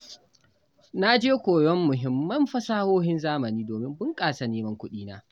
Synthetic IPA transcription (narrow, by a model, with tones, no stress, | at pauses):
na˦d͡ʒeː˦kʷoː˨jɔ˦mːʊ˨ɦɪ˨˦mːɐ˦mɸɐ˦saː˦hoː˦hɪ˦nzaː˦mɐ˨niː˦doː˨mɪ˦mbʊ˦ŋkʼaː˨sa˨neː˦mɐ˦ŋkʷʊ˦ɗiː˦naː˦